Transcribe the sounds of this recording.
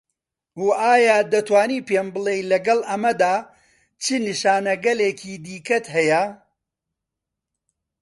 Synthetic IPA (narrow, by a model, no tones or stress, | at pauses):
huʔaːjaːd̪ɐt̪waːniːpeːmbɨlˠejlɐɡɐlʔɐmɐd̪aː | t͡ʃɨniʃaːnɐɡɐleːkʰiːd̪iːkɐt̪ɦɐjɐ